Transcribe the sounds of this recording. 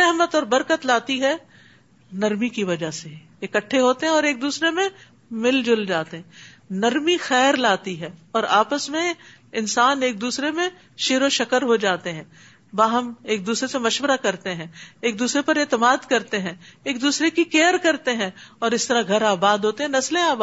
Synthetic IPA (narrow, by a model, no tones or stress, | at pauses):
ɛɦmət̪ɔːɾbɐɾkət̪laːt̪iɦɛ | nɐɾmikiʋɐd͡ʒase | ɪkəʈʰːeɦoːt̪eɦɛ̃ɔːɾeːk̚d̪uːsɾemẽ | mɪld͡ʒʊld͡ʒaːt̪eɦɛ̃ | nɐɾmixɛːɾlaːt̪iɦɛːɔːɾaːpəsmẽ | ɪnsaːneːk̚d̪uːsɾemẽ | ʃeːɾoʃɐkəɾɦod͡ʒaːt̪eɦɛ̃ː | ʋaːɦɐmeːk̚d̪uːsɾesemɐʃʋəɾakɐɾt̪eɦɛ̃ːeːk̚d̪uːsɾepɐɾeːt̪ɪmaːd̪kɐɾt̪eɦɛ̃eːk̚d̪uːsɾekikeːəɾkɐɾt̪eɦɛ̃ɔːɾɪst̪əɾaɡʱɐɾaːbaːd̪ʱɦoːt̪eɦɛ̃nɐslẽaːba